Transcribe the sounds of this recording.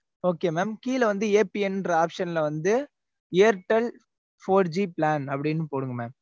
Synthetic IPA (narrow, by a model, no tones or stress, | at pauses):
oːkeːmeːmkiːlɐʋɐnd̪ɯeːpiɛnnrɐaːpʂɐnɪlɐʋɐnd̪ɯ | eɐɾʈːɐl | foːɾd͡ʒiplaːnɐpːɐɽɪnːɯpoːɽɯŋɡɐmaːm